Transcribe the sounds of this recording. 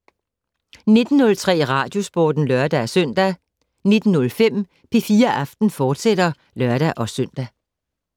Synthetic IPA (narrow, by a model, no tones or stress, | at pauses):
ne̝d̥n̩ːɔ̽lt͡sʰʁɛ̰ːʁɑ̈ːd̥jo̝sb̥oːd̥n̩lœɐd̥æsœn̰d̥æ | ne̝d̥n̩nɔ̽lfem̰ | pʰe̝fiːɐʔɑ̈fd̥n̩fɒːd̥sed̥ɐ | lɶɐɾ̥æʔɒ̽søn̰d̥æ